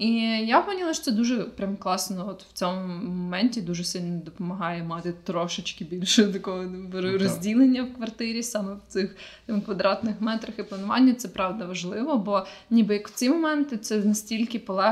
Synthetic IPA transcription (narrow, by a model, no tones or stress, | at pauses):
ijapɔnʲilˠɐʃt͡ʃɔ̥t͡s̪ɛd̪uʒɛpɾʲamklˠɑsnɔɔt̪w̥t͡sʲɔmʊmɔmɛnʲtʲid̪uʒɛsʲilʲnɔd̪ɔpɔmɐɦɑjɛmɑt̪ɪt̪ɾɔʃɪt͡ʃkɪbʲilʲʃʊt̪ɐkɔɦɔɾɔzʲdʲilˠenʲːɐwkʋɐrt̪ɪɾʲisɑmɛwt̪sɪxt̪ɑmkʋɐd̪ɾɑt̪nɪxmɛt̪ɾɐxɪplˠɐnʊʋɑ̰nʲːɐt̪sɛpɾɑʋd̪ɐʋɐʒlˠɪʋɔbɔnʲibɨjɐkw̥̪t͡sʲijmɔmɛnt̪ɪt̪sɛnɐsʲtʲilʲkɪpɔlˠɛ